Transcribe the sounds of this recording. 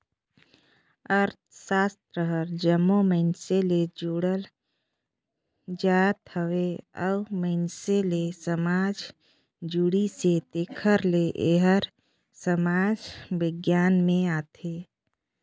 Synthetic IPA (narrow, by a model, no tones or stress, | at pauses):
əɾt̪ʰsaːst̪ɾəɦəɾd͡ʒəmːoməɪnseled͡ʒuːɽəl | d͡ʒaːt̪həʋeəʊməɪnselesəmaːd͡ʒ | d͡ʒuɽiset̪eːkʰəɾleʔeːɦəɾ | səmaːd͡ʒbɪɡjaːnmẽaːt̪ʰeː